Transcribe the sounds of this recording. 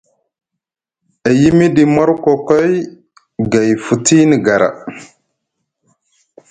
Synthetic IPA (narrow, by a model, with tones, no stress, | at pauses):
a˨ji˦mi˦di˨ma˦ɾkʷo˨ko˦j | ɡa˨jfu˨ti˦ni˨ɡa˨ɾa̰˨